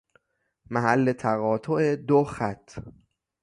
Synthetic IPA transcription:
mæɦælːet̪ʰæɣɒːt̪ʰoʔed̪oxæt̪ʰː

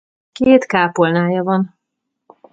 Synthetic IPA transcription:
keːt̪kaːpolnaːjɒvɒn

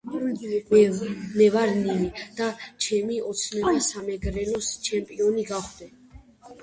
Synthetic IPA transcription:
mɛvaɾnimid̪̥at͡ʃʰɛmiɔt̪sʰnɛbasamɛɡɾɛnɔst͡ʃʰɛmpʼiɔniɡaχd̪ɛ

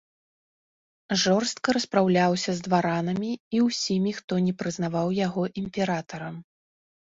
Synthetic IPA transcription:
ʐɔrst̪̚kɐɾɐspɾawlʲawsʲɐzd̪vaɾanɐmʲiiwsʲimʲixt̪ɔnʲɛpɾɨznavawjaɣɔʔimʲpʲɛɾat̪ɐɾɐm

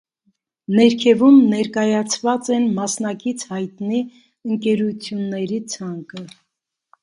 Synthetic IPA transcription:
nɛɾkʰɛvumnɛɾkɑjɑt͡sʰvɑt͡sɛnmɑsnɑkit͡sʰhɑjt̪ni | əŋkɛɾut͡sʰjunːɛɾit͡sʰɑŋkə

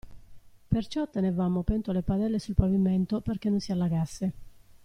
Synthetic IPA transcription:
pert͡ʃɔt̪enevamopɛnt̪olepad̪ɛlːesulpavimɛnt̪operk̟enːonsialːaɣasːe

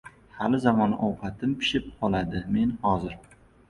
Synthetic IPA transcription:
halɪzamɒnʔɒwqɑt̪ʰɪmpɪ̥ʃɪp̚qʰɒlˠad̪ɪme̞nhɒzɪɾ

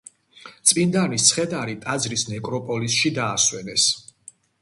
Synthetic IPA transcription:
t̪sʼind̪anist̪sʰχɛd̪aɾit̪ʼazɾisnɛkʼɾɔpʼɔlisʃid̪aːswɛnɛs

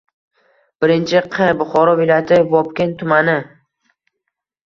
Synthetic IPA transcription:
b̥ɪɾɪnt͡ʃʰɪqʰɨɾbʊχɒɾɒvɪlajat̪ʰɪvɒpkʲent̪ʰʊmanɪ

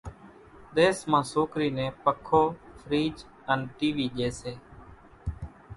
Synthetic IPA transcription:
ɗ̪eːsmãːsoːkɾiːnẽːpəkʰːoːfʰɾiːd͡ʒ | ənʈiːʋiːʄeːseː

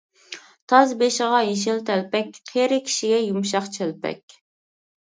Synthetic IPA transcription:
t̪ʰɑzbeʃɪʁɑjeʃ̬ɪlt̪ʰɛlpɛkʲqʰeɾɪkʲʰi̥ʃiɡʲɛjumʃɑχt͡ʃʰelpʰɛ̰kʲ

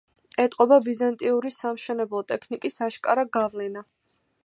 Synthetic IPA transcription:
ɛt̪ʼqʼɔbabizant̪ʼiuɾisamʃɛnɛblˠɔt̪ʼɛkʰnikʼisaʃkʼaɾaɡavlɛna

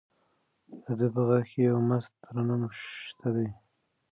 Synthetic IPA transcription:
d̪əd̪əpəɣaxkejawmas̚t̪əɾanamoʃt̪ʰad̪aj

